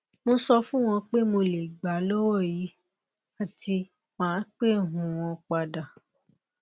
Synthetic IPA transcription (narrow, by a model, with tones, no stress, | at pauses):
mõ˧sɔ˧fũ˦w̃ɔ̃˧k͡pe˦mo˧le˨ɡ͡ba˨lɔ˦wɔ˦˨ji˨˦ | a˦˨ti˧ | mãː˨˦k͡pe˦˨ɦũ˨w̃ɔ̃˧k͡pa˧da˨